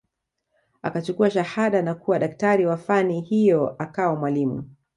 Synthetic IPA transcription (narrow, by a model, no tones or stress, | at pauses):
a̰kat͡ʃukuaʃahaɗanakuwaɗaktaɾiwafanihijɔʔakawɔmwalimṵ